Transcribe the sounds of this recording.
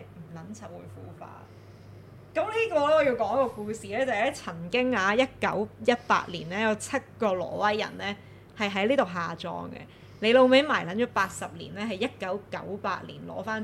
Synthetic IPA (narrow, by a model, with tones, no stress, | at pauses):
m̩˨˩lɐ˨˥nt͡sʰɐ˨p̚wṵ˨˧jfṵː˨˥fa̰ː˧ | kɐ˨˥mliː˥kɔː˧lɛː˥ɔː˨˧ji˧wkɔː˨˥ŋɐ˥kːɔː˧kuː˧siː˨lɛː˥t͡sɐ˨ɛ˥t͡sʰɐ˨˩ŋkɪ˥ŋaː˨˧jɐ˥t̚kɐ˨˥wjɐ˥t̚pa̰ː˧t̚liː˨˩nlɛː˥jɐ˨˧wt͡sʰɐ˥t̚kɔː˧lɔ̰ː˨˩wɐ˥jːɐ̰˨˩nlɛː˥ | hɐ˨jɦɐ˨˥jliː˥t̪o˨wɦaː˨t͡ʃɔ̰ː˧ŋɡɛ̰˧ | le˨˧jlo˨˧wme˨˥jmaː˨˩jlɐ˨˥nt͡ʃɔː˨˥paː˧t̚sɐ˨p̚lḭː˨˩nlɛː˥ɦɐ˨jɐ˥t̚kɐ˨˥wkɐ̰˨˥wpa̰ː˧t̚lḭː˨˩nlɔ̰ː˨˥faː˥n